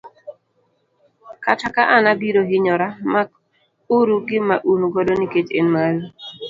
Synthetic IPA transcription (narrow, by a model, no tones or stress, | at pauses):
katakaʔanabiɾoɦɪɲɔɾama | uɾuɡɪmaʔunɡodoniketḛnmalu